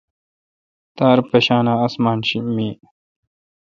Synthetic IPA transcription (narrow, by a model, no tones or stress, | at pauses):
t̪aːɾpeɕaːnaːsmaːnɕimiː